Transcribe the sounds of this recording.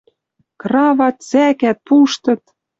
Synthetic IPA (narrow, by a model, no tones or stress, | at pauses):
krɑvɑt̪̚t͡sækæt̪̚puʃt̪ɤ̆t̪